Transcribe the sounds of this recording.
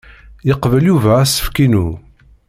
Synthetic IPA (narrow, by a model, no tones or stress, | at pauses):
jəqvəljuvææsə̥fkinu